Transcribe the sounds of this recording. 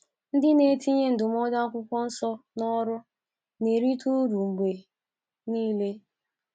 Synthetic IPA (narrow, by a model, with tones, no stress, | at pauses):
n̩˦dɪ˦ne˨ti˦ɲe˦n̩˨dʊ˨m˦ɔ˦da˦kʷʊ˦kʷɔ˦n̩˦sɔ˦nɔ˦ɾʊ˦ | ne˨ɾi˦tu˦ɾu˨ŋ͡m̩˨ɡ͡be˨ | niː˦le˦